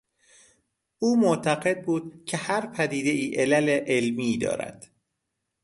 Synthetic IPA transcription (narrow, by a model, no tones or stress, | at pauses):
ʔuːmot̪ʰæɢe̞d̪̚buːd̪̥̚cʰe̞hæɾpʰæd̪iːd̪e̞ʔiːʔelæleʔelmiːd̪ɒ̰ːɾæ̰d̪̥